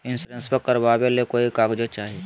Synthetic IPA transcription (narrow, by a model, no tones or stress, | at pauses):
ɪ̃nsɾensbəkəɾbaːbelekoːikaːɡd͡ʒet͡ʃaːɦi